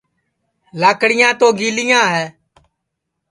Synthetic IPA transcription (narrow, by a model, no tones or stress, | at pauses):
laːkɽɪjãːt̪oːɡiːlɪjãːɦɛː